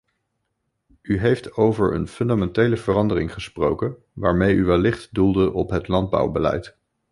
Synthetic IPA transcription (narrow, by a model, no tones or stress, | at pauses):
yɦejftowvəɹə̰nfɵndamɛntejləvərɑndərɪŋχəsprowkən | ʋaːɹmejyʋɛlːɪχtdulˠdəʔɔpɦətlɑnd̚bʌ̰wbəlɛ̰jt